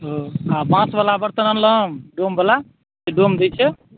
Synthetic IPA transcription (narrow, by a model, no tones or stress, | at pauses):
ɦoabãsbəlabəɾt̪ənənləmɖombəla | seɖomd̪ɛjt͡ʃʰɛ